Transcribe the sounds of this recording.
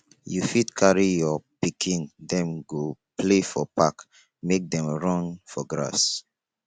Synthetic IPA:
jufitkʰaɹijɔpikʰĩndɛ̃mɡoplefɔpak | mek̚dɛ̃mɹɔ̃nfɔɡɹa̰s

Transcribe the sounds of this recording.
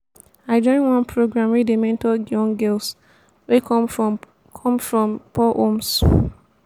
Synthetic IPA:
aɪd͡ʒɔ̃ɪ̃nwãnpʰɹoɡɹãmwidemɛ̃ntɔɡɔ̃ŋɡɛls | wekɔm | kʰɔ̃mfɹɔ̃mpɔʔoms

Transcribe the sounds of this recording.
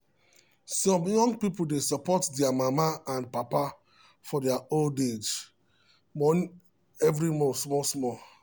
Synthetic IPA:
sɔ̃mjɔ̃ŋɡpipodesɔpɔtdɛamamaãnpapa | fɔdɛaolded͡ʒ | mɔni | ɛvɾimɔsmɔsmɔ

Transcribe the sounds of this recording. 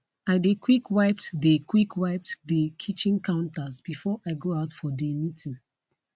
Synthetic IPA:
ãdekwikwaɪp̚tdekʰwikwaɪp̚tdəkʰit͡ʃĩnkʰãʊ̃ntasbifɔʔaɪɡoaʊtfɔdemitʰĩn

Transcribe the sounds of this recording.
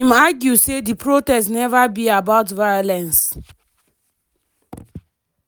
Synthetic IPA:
imaɡjusedipɹotɛstnɛvabiabaʊtvajɔlɛ̃ns

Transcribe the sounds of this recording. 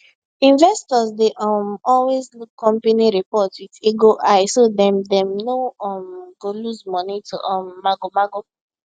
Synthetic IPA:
ĩnvɛstɔzdeʔɔmɔlwezkɔ̃mpeniɹipɔtwidiɡoʔaɪsodɛ̃mdɛ̃mnoɔmɡ̥oluzmɔnitṵʔɔ̃mːaɡomaɡo

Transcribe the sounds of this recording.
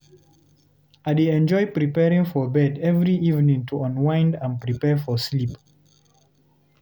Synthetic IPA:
adeɛ̃nd͡ʒɔɪpɹipɛɹĩŋfɔbɛdɛvɹiʔivnĩŋtʰuɔ̃nwãɪ̃ndãnpɹipɛfɔslip

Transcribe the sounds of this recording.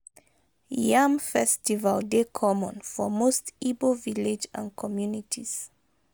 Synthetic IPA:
jãmfɛstivaldekʰɔmɔ̃nfɔmostiboviled͡ʒã̰nkʰɔmjunitʰiz̥

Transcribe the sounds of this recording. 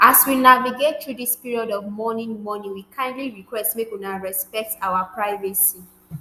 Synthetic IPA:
aswinaviɡetʰɹudispiɹiɔdɔvmɔnĩnmɔnĩnwikʰãɪ̃ndliɹikwɛstmekɔ̃naɹɛspɛk̚tawapʰɹaɪvɛsi

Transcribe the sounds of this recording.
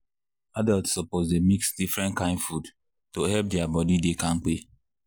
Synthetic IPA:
adɛltsɔpɔtdemiksdifɹɛ̃ntkãɪ̃nfud | tohɛlp̚dɛabɔdidekãŋk͡pe

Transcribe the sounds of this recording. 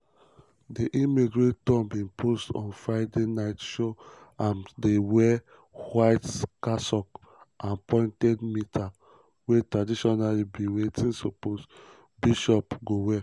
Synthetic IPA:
diʔimiɡɹettɔ̃nbĩnpʰostɔ̰̃nfɹaɪdenaɪtʃoãndewɛ | hwaɪtkasɔk | ãnpʰɔ̃ɪ̃ntɛdmitʰa | wetɹadiʃɔnalibĩwetĩnsɔpos | biʃɔpɡowɛ

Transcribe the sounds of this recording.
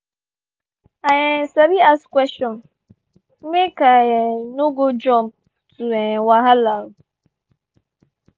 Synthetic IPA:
aɲesaɾiaskʷɛstɔn | m̩mekajenuɡod͡ʒɔm̩ | tuewaɦalaɾʊ

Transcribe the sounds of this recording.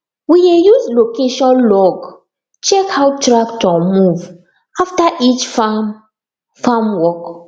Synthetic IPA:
wiejuzlokeʃɔ̃nlɔɡ | t͡ʃɛkhawtɹaktɔmuv | aftaʔit͡ʃfam | famwɔk

